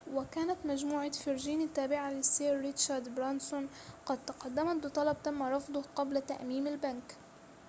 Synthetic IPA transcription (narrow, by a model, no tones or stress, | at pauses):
wɪkaːnat̪mad͡ʒmuːʕafɪɾʒiːnɪt̪ːaːbɪʕalɪsːeːɾːɪt̪ʃaɾd̪bɾansʊn | qɑd̪̚t̪ɑqɑd̪ːamabɨt̪ˤɑlɑb̚t̪amːaɾˤɑfd̪ˤʊhqɑblat̪a̰ʔmiːmɪlbank